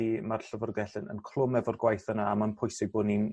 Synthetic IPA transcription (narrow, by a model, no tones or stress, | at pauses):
imarɬəvɔrɡɛɬɨnə̰nkʰl̥ˠʊmɛvɔrɡwajθənaamənpʰʊjsɪɡ̚bʊːdnin